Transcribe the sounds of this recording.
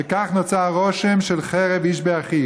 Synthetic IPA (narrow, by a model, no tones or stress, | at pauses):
ekaχnot͡saʁoʃemʃelχeʁeviʃbeaχi